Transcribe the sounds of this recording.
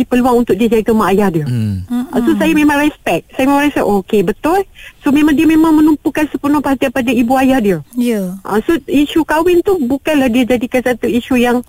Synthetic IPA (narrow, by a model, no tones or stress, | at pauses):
ipəluaŋunt̪ʊk̚d͡ʒəd͡ʒaik̪əmaːjahdiəʔã̰sosajamẽmãŋrɛspɛk̚sajamemãɾɛspɛ̰ʔokebət̪ʊlsomẽmãŋdiəmẽmãŋmə̃numpukansəpənʊ̃paɦat̪iapadaibuajahdiəjʔã̰soiʃukawɪnt̪ubukanlahdiəd͡ʒadikansat̪uiʃujaŋ